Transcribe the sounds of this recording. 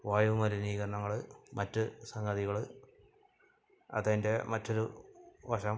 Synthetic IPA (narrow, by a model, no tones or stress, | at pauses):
ʋaːjumɐɾuniːɣɐɾɐɳɐŋːɐɭɨmɐtːɨsɐŋɡɐðiɣɐɭɨ | ɐ̰ðɐnde̞mɐtːo̞ɾuʋɐʂɐm